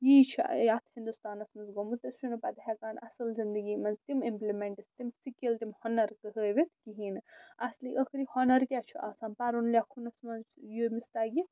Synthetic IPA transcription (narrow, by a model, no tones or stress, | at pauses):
jiːt͡ʃʰijat̪ʰhind̪ust̪aːnɐsmɐnzɡomut̪ɐsʃunupɐd̪ɦɛkaːɳɐ̰sɐlzind̪əɡimɐnzt̪imimplimeɳʈist̪imsikilt̪imhɔnɐɾkɨɦəːʋit̪kiɦinɐsliʔəkʰɾihonɐɾkʲɛt͡ʃʰuʔasaːnpaɾunlʲakʰunɐsmɐnzjumist̪aːɡi